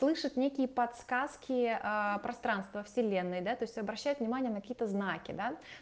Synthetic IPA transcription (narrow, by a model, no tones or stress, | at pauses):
lˠɨʂɨt̪nʲekʲɪjəpɐt̪skaskʲɪəpɾɐst̪ɾanst̪vəfsʲɪlʲenːɨjd̪at̪o̞jɪsʲt̪ʲɐbɾɐɕːæjʊt̪vnʲɪmanʲɪjənəkɐkʲiət̪əznakʲɪ̰d̪a